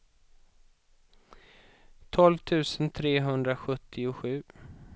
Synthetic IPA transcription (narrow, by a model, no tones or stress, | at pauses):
t̪ʰɔlvt̪ʰʉ̟ːsənt̪ʰɾeːɦɵnd̪ɾaɧɵt̪ʰːɪʊɧʉ̟ː